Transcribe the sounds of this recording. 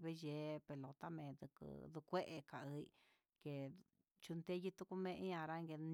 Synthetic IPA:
βe˧ʒe˨˧˦pe˨lo˨t̪a˦mẽ˨d̪ɨ˧kɨ̰˧d̪u˧kʷe˦ʔe˧ka˨ʔɨ˧i˧ | ke˨ | t͡ʃu˧nt̪e˦ji˦t̪u˧ku˧mẽ˧ʔi˦ã˧ɾa˧ŋɡe˧n

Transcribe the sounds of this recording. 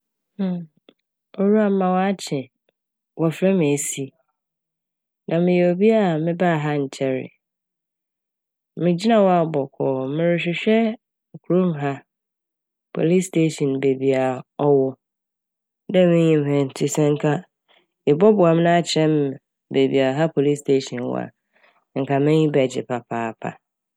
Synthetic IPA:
o˦ɾu˦a˨˦mã˨wa˦t͡ɕʰɛ̃˨ | wɔ˨fɾɛ˦mɪ̃˨e˨si˦ | nã˨mɪ̃˨jɛ˨o˨bi˦a˦˨mɪ̃˦baː˦˨ɦa˦ɲ̩˨t͡ɕʰɛ˦ɾɪ̰˨ | mɪ̃˨d͡ʑi˦nã˨wɔ˦a˨bɔ˨kʰɔː˨mɪ̃˨ɾɪ˨ɕᶣɪ˨ɕᶣɛ˦ | ŋ˨kʰu˨ɾõ˦mɦa˦ | pʰo̰˨li˦stʰe˦ʃɔ̃˨nbe˨bi˨a˨ɔ˦wɔ˦ | nɛ˦mɪ̃˦ɲĩ˨m˨hɛ̃˨n̩˨tʰɪ˦sɛ̃˦ŋ̩˦kʰa˦ | ɪ˨bɔ˦bʊ˨a˨m̃˦nã˦t͡ɕʰɛ̃˦m | be˨bḭ˨a˨ɦa˦pʰo˨li˦stʰe˦ʃɔ̃˨nw̰a̰˨ | ŋ̩˨kʰa˨mɪ̃˦ɲĩ˦bɛ˨d͡ʑɪ̰˨pʰa˨pʰaː˦pʰa̰˨

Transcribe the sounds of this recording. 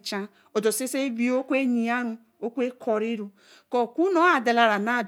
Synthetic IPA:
t͡ʃa˦ | o˨do˨se˦se˦bi˦o˦kʷe˦ɲi˨a˦ɾu˦ | o˦kʷe˦kʰɔ˨ɾi˦ɾu˦ | kɔ˦˨kʷu˦no˦a˨da˨la˨ɾa˨na˦˨d

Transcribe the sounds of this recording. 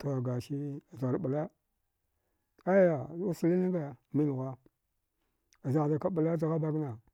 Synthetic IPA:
to˨a˨ɡa˨ʃi˦a˨zɾɓa˨la˦ | a˦ja˨˦u˦su˨li˦na˦ɡa˨mi˦n˨ɣa˦ | a˨za˨ɣda˨ka˦ɓa˨la˦da˨ɣa˦ba˦ɡna˨

